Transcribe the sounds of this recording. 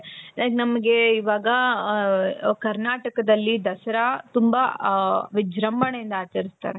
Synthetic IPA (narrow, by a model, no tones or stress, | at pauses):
naːɡnɐmɐɡe̞iʋaːɡɐ | kɐɾnaːʈɐkɐd̪ɐlːid̪ɐsɐɾɐt̪umbɐʋid͡ʒɾɐmbɐɳejind̪ɐaːt͡ʃɐɾist̪a̰ːɾe